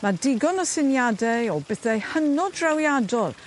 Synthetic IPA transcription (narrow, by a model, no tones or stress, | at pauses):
madɪɡɔnɔsɪnjadɛɔbɛθɛhənɔdrawjadɔlˠ